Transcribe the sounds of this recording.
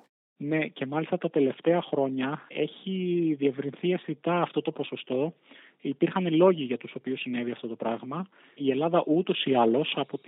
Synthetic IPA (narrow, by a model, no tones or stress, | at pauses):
ne̞ce̞mɐlist̪ɐt̪ɐt̪e̞le̞ft̪e̞ɐxɾo̞ɲɐe̞çiðie̞vɾinθie̞fθit̪ɐːft̪o̞t̪o̞po̞so̞st̪o̞ | ipiɾxɐnelo̞ʝiʝɐt̪uso̞piusine̞viɐft̪o̞t̪o̞pɾɐɣmɐ | ie̞lɐðɐʔut̪o̞siɐlo̞sɐpot̪